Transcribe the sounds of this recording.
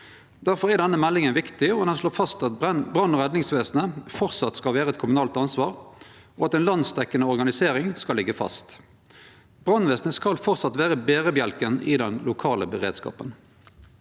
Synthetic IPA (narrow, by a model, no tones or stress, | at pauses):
d̪̥æʁfɔʁæʁd̪ɛnːəmɛlːɪŋənʋɪkt̪ɪɔd̪ɛnsɭoːfɑst̪ɑt̪bʁɑnːɔʁɛd̪nɪŋsʋeːsnəfɔʁt̪sɑt̪skɑlʋeːʁəɛt̪kʰʊmʉnɑːlt̪ɑnsʋɑːʁ | ɔɑt̪ɛnlɑnst̪ʰɛkːənəɔʁɡɑnɪseːʁɪŋskɑlɪɡəfɑ̰st̪ | b̥ʁɑnʋeːsnəskɑlfɔʁt̪sɑt̪ʋeːʁəbeːʁəbjɛlkənɪd̪ɛnlʔʊkʰɑːləbəʁeːd̪skɑ̰ːpən